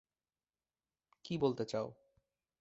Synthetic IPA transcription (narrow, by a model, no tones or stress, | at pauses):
kibolt̪et͡ɕao